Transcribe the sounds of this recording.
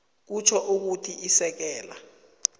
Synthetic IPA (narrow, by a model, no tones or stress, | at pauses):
k̬ut͡ʃʰɔʔuk̬utʰiʔisɛk̬ɛːla